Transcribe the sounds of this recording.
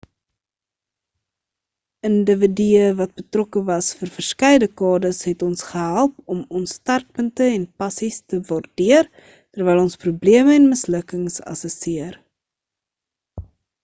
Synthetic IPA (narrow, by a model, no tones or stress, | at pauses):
əndəvidiəvɐt̚bətrɔkəvɐsfərfərskɛjdəkɑːdəsɦɛtɔnsχəɦælˠpɔmɔnstɑrk̚pəntəɛnpɐsistəvɑrdiər | tərvɛjlˠɔnsprubliəməɛnməsləkəŋsɐ̰səsiər